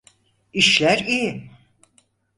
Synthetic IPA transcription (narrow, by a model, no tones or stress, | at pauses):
iʃlʲæɾiji